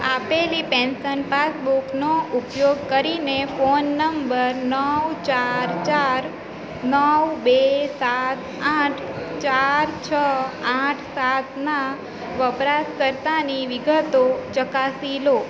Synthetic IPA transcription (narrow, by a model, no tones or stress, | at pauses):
apelipɛ̃nsənpasbuknoʔupjoɡkəɾinefonːəmbəɾnəwt͡ʃaɾt͡ʃaɾ | nəwbesat̪ | ãʈʰt͡ʃaɾt͡ʃʰəaʈʰsat̪na | ʋəpɾaskəɾt̪aniʋɪɡət̪ot͡ʃəkasilo